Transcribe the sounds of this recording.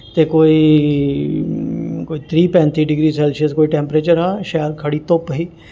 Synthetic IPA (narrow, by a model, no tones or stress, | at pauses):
t̪ekoːi | koːit̪ʰɾiːpɛ̃ːnt̪iɖɪɡɾiːselsəskoːiʈẽːmpɾeːt͡ʃəɾɦaʃaːəɾkʰɐɽit̪oːpɦiː